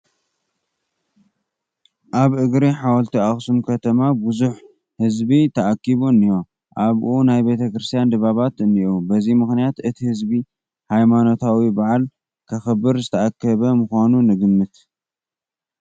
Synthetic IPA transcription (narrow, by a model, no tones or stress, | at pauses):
ʔaβʔɨɡɾiħawɐlt̪ʰiaxsumkʰɐt̪ʰɐmabuzuħ | hɨzbit̪ʰɐʔakːiβuɨnːijo̞ | ʔaβʔunajbe̞t̪ʰɐkɾɨst̪ʰijand̪ɨβaβat̪ɨnːiʔubɐzimɨxnijat̪ɨt̪ʰihɨzbi | hajmano̞t̪ʰawibaʕal | kʰɐxɨbɨɾzɨt̪ʰɐʔakʰːɐβɐmɨxanunɨɡɨmːɨt̪